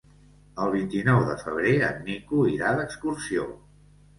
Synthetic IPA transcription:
əlˠβ̞int̪inɔwðəfəβ̞ɾeə̰nːikuiɾaðəkskursio

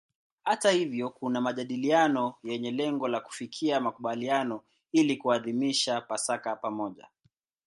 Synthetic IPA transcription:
hatahivjɔkunamaʄaɗilianɔjɛɲɛlɛŋɡɔlaku̥fikʰiamakuɓalianɔ | ilikuaðimiʃapasakapamɔʄa̰

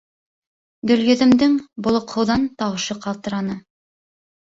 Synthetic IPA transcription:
d̪ɵ̆ljɵ̆ðɘ̆md̪ɘŋbŏlˠŏqhɤ̆wðɑnt̪ɑwɤ̆ʃɤqɑlˠt̪ɤ̆ɾɑnɤ

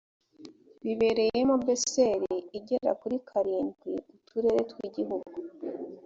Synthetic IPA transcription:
βiβe̞ɾe̞jemobese̞ɾiiɟe̞ɾa̰kuɾikʰaɾiːnɡwiutuɾe̞ɾetwiɟiɦuɡu

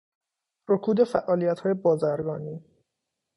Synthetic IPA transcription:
rokʰuːd̪e̞fæʔɒːlijæt̪hɒːje̞bɒːzæɾɡɒːniː

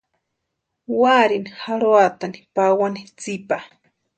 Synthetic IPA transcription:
waɾinihaɾoat̪ani̥pawanit͡sipa

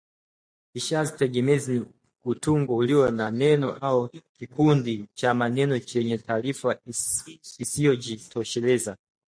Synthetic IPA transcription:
iʃazitɛɠɛmɛzini | kutuŋɡɔuliwɔnanɛnɔʔaukikundit͡ʃamanɛnɔt͡ʃɛɲɛtaːlifa | isiɔd͡ʒitʰɔʃɛlɛza

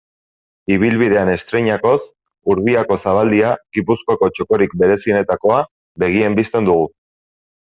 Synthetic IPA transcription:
iβ̞ilβið̞e̞ane̞st̪ɾe̞ɲako̞s | uɾβiako̞saβ̞ald̪iaɣipuskoako̞t͡ʃo̞ko̞ɾik̚be̞ɾe̞sine̞t̪ako̞a | βe̞ɣ̞ie̞mbist̪e̞nd̪uɣ̞u

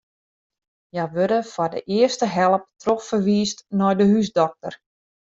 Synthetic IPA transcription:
jaʋøɾəfɔrdə̰ʔɪərstəɦɛlˠəp̚troffərʋiːstnɔjdəɦysdɔk̚tər

